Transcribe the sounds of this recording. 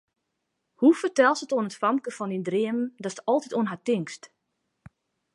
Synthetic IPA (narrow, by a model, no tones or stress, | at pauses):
hufərtɛlˠsətoənətfɑmkəfɔndindrɪəməndɔstəɔlˠtitoənɦatɪŋkst